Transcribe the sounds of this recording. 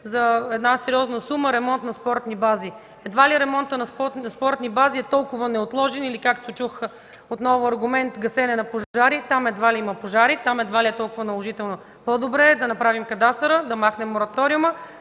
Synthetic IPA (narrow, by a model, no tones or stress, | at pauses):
zɐɛd̪nasɛɾiɔznəsuməɾɛmɔnt̪nɐspɔɾt̪nibazi | ɛd̪valiɾɛmɔnt̪ənɐspɔt̪nɐspɔɾt̪nibaziɛt̪ɔlˠkʊvənɛot̪lˠɔʒɛnilikakt̪ot͡ʃux | ot̪nɔvʊɐɾɡʊmɛnt̪ɡɐsɛnɛnɐpoaɾit̪amɛd̪valiimɐpoʒaɾit̪amɛd̪valiɛt̪ɔlˠkʊvənɐlˠoʒit̪ɛlˠno | pod̪obɾɛːd̪ɐnɐpɾavimkɐd̪ast̪ɾəd̪ɐmaxnɛmːoɾɐt̪ɔɾiumə